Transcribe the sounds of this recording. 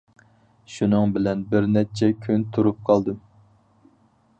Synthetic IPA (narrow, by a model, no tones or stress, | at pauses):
ʃunɨŋbɪlɛnbɪɾnɛt͡ʃʰɛkʲʰynt̪ʰuɾup̚qʰɑlˠd̪ɨm